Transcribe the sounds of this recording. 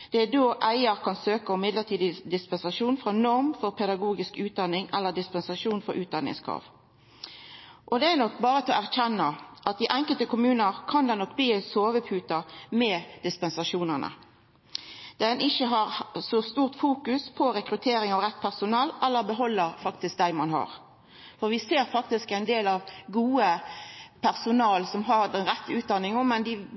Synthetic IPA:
d̪̥ɛæd̪oːʔæɪəʁkʰɑnsøːkəʊmɪd̪ləʁt̪ʰiːd̪ɪd̪ɪspɛnsɑʂuːnfɾʁɑnɔʁmfɔʁpʰɛd̪ɑɡuːɡɪskʉːt̪̚d̪ɑnːɪŋɛlːəd̪ɪspɛnsɑʂuːnfɔɾʔʉːt̪̚d̪ɑnːɪ̰ŋskʰʁɑ̰ːʋ | ʔɔd̪ɛænɔkːbɑːʁət̪ʰɛɔæʁçɛnːɑʔɑt̪̚d̪ɪʔɛŋkəlt̪əkʰʊmʉːnəʁkʰɑnd̪ɛnɔkːbliːæɪsoːʋəpʰʉːt̪ɑmɛːd̪̥ɪspɛnsɑʂuːnənə̰ | d̪̥ɛnʔɪçəɦɑʁsɔst̪uːʁt̪fuːkʉspʰɔɾɛkɾʉt̪ʰeːɾɪŋɑʋʁɛt̪ːpʰæʁsʊnɑːlɛlːəʁbəɦɔlːəɾfɑkt̪ɪsk̚d̪æɪmɑnɦɑ̰ʁ | fɔʁʋɪseːɾfɑk̚t̪ɪskæɪnd̪eːlɑʋɡuːə | pʰæʁsʊnɑːlsɔmɦɑʁd̪ɛnʁɛt̪ːʉːt̪̚d̪ɑnːɪŋɔmɛnd̪ɪ

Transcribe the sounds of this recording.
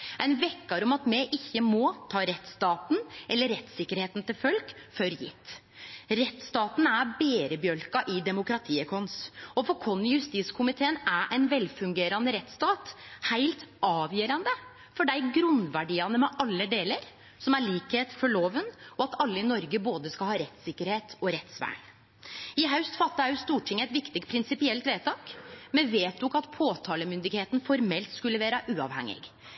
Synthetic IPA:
ɛnʋɛkːɑɾɔmɑt̪mɛʔɪçːəmɔt̪ʰɑːɾɛt̪st̪ɑːt̪n̩ʔɛlːəɾːɛt̪sɪkːəɾheːt̪n̩t̪ʰɪlfœlkfœɾjɪ̰t̪ː | ɾɛt̪st̪ɑːt̪n̩æɾbeːɾəbjœlkɑʔɪd̪ɛmʊkɾɑt̪ʰiːəkʰɔnsɔfɔkʰɔnːjʉst̪iskʰʊmɪt̪ʰeːənæʔæɪnʋɛlfʉŋɡeːɾɑnəɾɛt̪ːst̪ɑːt̪hæɪlt̪ʔɑːʋjœːɾɑnd̪ə | fɔɖæɪɡɾʉnʋæɖiːɑnəmɛʔɑlːəd̪eːləɾ | sɔmæɭiːkheːt̪fɔɭoːʋənɔɑt̪ɑlːəɪnɔɾɡəboːd̪əskɑlhɑːɾɛt̪sɪkːəɾheːt̪ɔɾɛt̪sʋæ̰ːɳ | ɪɦɑʉst̪fɑt̪ːəhɑʉst̪uːʈʰɪŋːəɛɪt̪ʋɪkt̪ɪɡ̚t̪̚pʰɾɪnsɪpɪɛlt̪ʋeːt̪ʰɑːkmɛnʋeːt̪̚ɔkɑt̪pʰoːt̪ʰɑːləmʏnd̪ɪɡheːt̪n̩fɔɾmɛlt̪skʉlːəʋeːɾəʔʉːɑ̰ʋhɛ̰ŋːɪ̰ɡ

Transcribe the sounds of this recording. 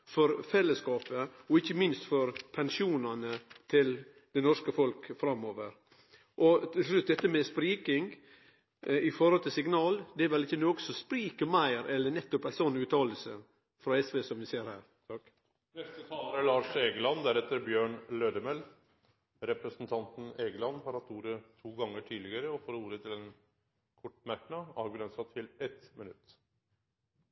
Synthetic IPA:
fɔɾfɛlːəskɑːpəɔɪçːəmɪnst̪fɔɾpʰɛnʂuːnɑnət̪ʰɪl | d̪̥ɛnɔʂkəfɔlkfɾɑmːoːʋəɾ | ʔɔt̪ʰɪlslʉt̪̚d̪ɛt̪ːəmɛspɾiːkɪŋ | ɪfɔɾhɔlt̪ʰɪlsɪɡnɑːld̪ɛæɾʋɛlɪçːənoːɡəsɔspɾiːkəmæɪɾɛlːəɳɛt̪ːɔpæsɔnʉːt̪ʰɑːləlsə̰ | fɾɑːɛsʋeːsɔmʋɪseːɾhæːɾ | nɛst̪ət̪ʰɑːləɾəlɑːʂeːɡəlɑnd̪æɾɛt̪ːəɾbjøːɳløːd̪əmɛl | ɾɛpɾəsn̩t̪ʰɑnt̪n̩eːɡəlɑnhɑɾhɑt̪ːuːɾət̪ʰuːɡɑŋːəʈʰiːd̪lɪɡəɾəɔfoːɾuːɾət̪ʰɪlɛn | kʰɔʈːmækɳɑɑːʋɡʉlɛnsɑt̪ʰɪlɛt̪mɪnʉt̪

